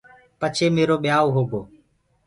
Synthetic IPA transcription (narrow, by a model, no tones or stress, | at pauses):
pət͡ʃʰeːmeːɾoːɓɪjaːoːɦoːɡoː